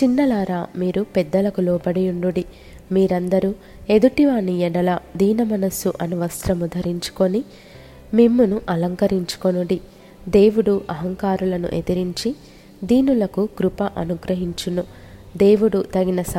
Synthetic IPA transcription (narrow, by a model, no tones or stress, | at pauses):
t͡ʃinːɐlaːɾaːmiːɾupɛd̪ːɐlɐkulɔːbɐɽijuɳɖuɽi | miːɾɐnd̪ɐɾu | e̞d̪uʈiʋaːniɛɽɐlɐd̪iːnɐmɐnɐsuʔɐnuʋɐst̪ɾɐmud̪ʱɐɾiɲt͡ʃu̥ko̞ni | mimːunuʔɐlɐŋkɐɾiɲt͡ʃu̥konuɽi | d̪e̞ːʋuɽuʔɐɦɐŋkaːɾulɐnṵʔet̪iɾiɲt͡ʃi | d̪iːnulɐkuɡɾupɐʔɐnuɡɾɐɦiɲt͡ʃunu | d̪e̞ːʋuɽut̪ɐɡinɐs